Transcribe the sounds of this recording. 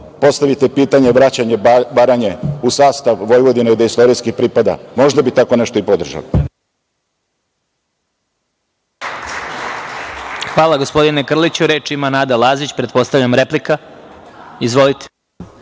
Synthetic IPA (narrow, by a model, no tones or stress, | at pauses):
po̞st̪aʋit̪epiːt̪aɲeʋɾat͡ɕaɲebaɾaɲeusaːst̪aʋʋojʋo̞d̪ineid̪aist̪oɾijskixpɾipad̪a̰mo̞ʒd̪abit̪akoneʃt̪oipod̪r̩ʒa̰li | xʋaːlˠaɡo̞spo̞d̪ine̞kr̩lit͡ɕuɾeːt͡ʃiimanaːd̪alˠaːzit͡ɕpɾet̪po̞st̪aʋʎamɾeplika | izʋo̞lit̪e̥